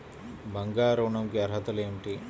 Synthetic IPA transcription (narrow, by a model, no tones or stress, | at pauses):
bɐŋɡaːɾuːɳɐmkiɐɾɦɐt̪ɐleːmʈi